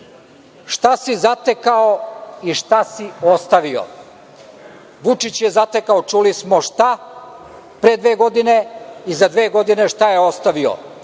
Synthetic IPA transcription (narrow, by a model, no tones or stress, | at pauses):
ʃt̪asizat̪e̞kaoiʃt̪asiost̪aʋio̰ | ʋut͡ʃit͡ɕjezat̪e̞kaot͡ʃulismoʃt̪a | pɾed̪ʋe̞ːɡo̞d̪ine̞izad̪ʋe̞ːɡo̞d̪ine̞ʃt̪ajeost̪aʋio̰